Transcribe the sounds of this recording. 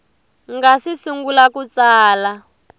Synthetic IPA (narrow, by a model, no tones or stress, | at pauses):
ŋɡasisuŋɡulakut͡saːla